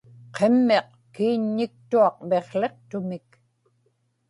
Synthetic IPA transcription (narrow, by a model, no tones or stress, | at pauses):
qʰemːe̞q | kiːɲːɪk̚t̪uɑqme̞χle̞qt̪ʊmɪk